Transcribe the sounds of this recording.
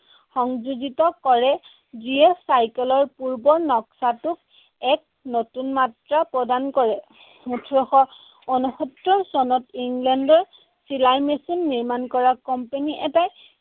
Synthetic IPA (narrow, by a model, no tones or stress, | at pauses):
xɔŋzuɡitɔkɔɹɛ | ziɛsajkɛlɔɹpuɹbɔnɔksatʊk̚ | ɛk̚notunmatɹapɹɔdankɔɹɛ | utʰɹɔxɔ | onuxɔtɹɔsɔnɔtiŋɡlɛndɔɹ | silaɹmesinːiɹmankɔɹakɔmpeniʔɛtaj